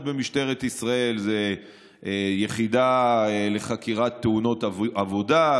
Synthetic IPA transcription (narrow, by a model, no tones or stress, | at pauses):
tbemiʃt̪e̞ʁet̪isʁae̞lze | jeχid̪aele̞χakiʁat̪ːeuno̞t̪avo̞da